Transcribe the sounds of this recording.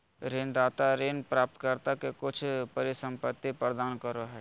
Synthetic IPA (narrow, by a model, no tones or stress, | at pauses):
ɾeːnd̪aːt̪aɾenpɾaːp̚t̪kəɾt̪akekʊt͡ʃʰpɐɾɪsə̃mpət̪ːipɾɾd̪aːnkəɾoɦɛ